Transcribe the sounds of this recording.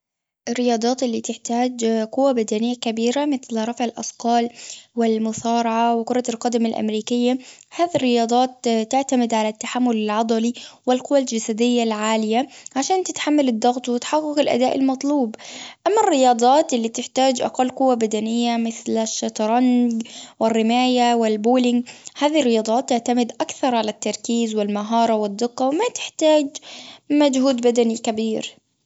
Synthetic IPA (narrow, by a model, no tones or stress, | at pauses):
ʔɪrːɪjɑːd̪ˤɑːt̪ʔɪlːit̪ɪħt̪aːd͡ʒqʊwːabad̪anɪjːakabiːɾamɪθlɾˤɑfʕɪlʔɑsqɑːlwɪlmʊsɑːɾˤɑʕawɪqʊɾˤɑlqɑd̪amalʔa̰mɾiːkɪjːahaːðirːɪjɑːd̪ˤɑːt̪ːɪʕt̪amɪd̪ʕalat̪ːaħamːʊlɪlʕɑd̪ˤɑliwɪlqʊwːald͡ʒasad̪ɪjːalʕaːlɪjaʕaʃaːnt̪ɪt̪ħamːalɪd̪ˤːɑɣt̪ˤwɪt̪ħɑqːʊqɪlʔa̰d̪aːʔɪ̰lmɑt̪ˤluːbʔamːarːɪjɑːd̪ˤɑːt̪ʔɪlːiːt̪ɪħt̪aːd͡ʒʔɑ̰qɑlːqʊwːabad̪anɪjːamɪθlaʃat̪ɾˤɑnɡwɪrːɪmaːjawɪlbuːlɪŋɡhaːðirːɪjɑːd̪ˤɑːt̪ːɪʕt̪amɪd̪ʔakθɑɾˤʕalat̪ːɑɾˤkiːzwɪlmaɦɑːɾˤɑwɪd̪ˤːɪqːɑwɪmat̪ɪ̥ħt̪aːd͡ʒmad͡ʒhuːd̪bad̪anikabiːɾ